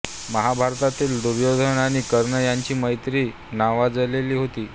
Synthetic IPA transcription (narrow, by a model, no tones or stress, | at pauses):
məɦabʱaɾt̪at̪iːld̪uɾjod̪ʱənaɽ̃iːkəɾɳəjaɲt͡ɕiːməjt̪ɾiː | naʋad͡zəleliːɦot̪iː